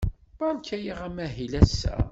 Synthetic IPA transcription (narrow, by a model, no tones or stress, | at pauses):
b̥ɑnkæjiʁæmæɦilæsːæ̰